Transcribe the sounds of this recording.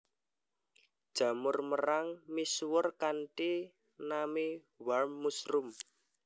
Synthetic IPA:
d̥ʒ̥a̤mʊrməɾaŋmiswʊrkanʈi | nami | wamːusɾʊm

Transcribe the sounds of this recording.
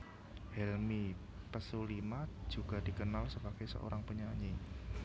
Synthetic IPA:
hɛlmi | pəsulimad͡ʒ̥uɡ̥a̤dikənalsəbaɡ̥ajsə̰ʔo̰ɾaŋpəɲaɲi

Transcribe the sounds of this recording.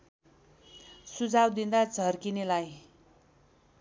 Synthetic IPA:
sud͡zawd̪ind̪ad͡zʱʌrkinelaj

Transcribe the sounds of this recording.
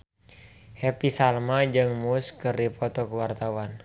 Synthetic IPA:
hɛpisalmad͡ʒɨŋmuskɨrdipɔt̪ɔkəwart̪awan

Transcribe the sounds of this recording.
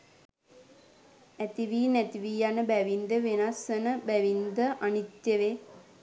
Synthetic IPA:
æt̪iʋiːnæt̪iʋiːjanəbæʋind̪əʋenasənəbæʋind̪əʔanit̪jəʋe

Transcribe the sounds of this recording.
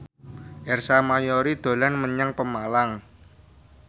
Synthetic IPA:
ʔɛrsamajɔɾid̪̥o̤lanməɲaŋpəmalaŋ

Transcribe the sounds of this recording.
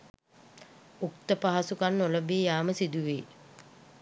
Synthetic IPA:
uk̚t̪əpaɦasukanːoləbiːjaːməsid̪uʋeː

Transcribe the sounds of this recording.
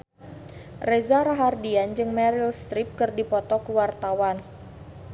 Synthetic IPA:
rezaɾaɦardiand͡ʒɨŋmɛɾilst̪ɾip̚kɨrdipɔt̪ɔkəwart̪awan

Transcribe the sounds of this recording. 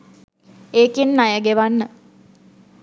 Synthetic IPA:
eːkinːajəɡeʋanːə

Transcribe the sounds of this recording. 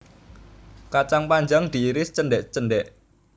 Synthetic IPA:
kat͡ʃaŋpaɲd͡ʒaŋd̪̥i̤iɾɪst͡ʃənɖɛʔt͡ʃənɖɛʔ

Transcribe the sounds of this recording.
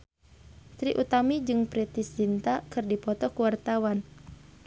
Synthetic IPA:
t̪ɾiʔut̪amid͡ʒɨŋpɾɛt̪ist͡ʃint̪akɨrdipɔt̪ɔkuwart̪awan

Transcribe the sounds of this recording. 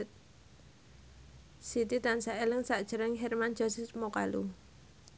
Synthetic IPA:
sit̪it̪ansaʔelɪŋsaʔd̥ʒ̥əɾɪŋɦɛrmand͡ʒ̥ɔ̤sismokalṵ

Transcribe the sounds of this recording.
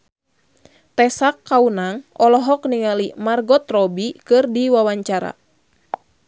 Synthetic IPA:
t̪ɛsakːaunaŋɔlɔɦɔkniŋalimarɡɔt̪rɔbikɨrdiwawaɲt͡ʃaɾa̰

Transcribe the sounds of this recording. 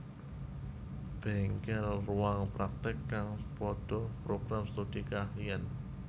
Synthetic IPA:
b̥ɛŋkɛlruaŋpɾak̚t̪ɪkːaŋpɔd̥ɔpɾoɡ̥ɾamst̪ud̥ikahian

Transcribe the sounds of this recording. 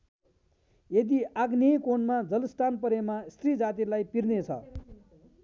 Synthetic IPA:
jed̪iʔaɡnejkonmad͡zʌlʌsʈ̪anpʌɾemast̪rid͡zat̪̬ilajpirnet͡sʰʌ̰

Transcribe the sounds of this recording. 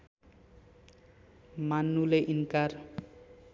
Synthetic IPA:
manːuleʔinkar

